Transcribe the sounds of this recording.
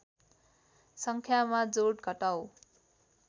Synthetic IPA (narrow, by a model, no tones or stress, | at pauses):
sʌŋkʰjamad͡zoɽɡʱʌʈaw